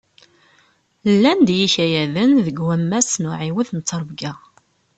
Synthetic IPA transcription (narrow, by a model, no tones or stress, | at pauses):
lːænd̪jiçæjæðənðəɡwæmːæsnʊʕiwəðnət͡s̪ˤːəɾˤbɡæ